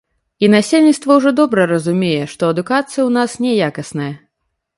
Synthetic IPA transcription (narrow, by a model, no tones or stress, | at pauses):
inasʲelʲnʲit̪st̪vɐwʐɔd̪ɔbɾɐɾɐzumʲejɛʂt̪ɔɐd̪ukat̪sɨjɐwnasnʲɛjakɐsnɐjɐ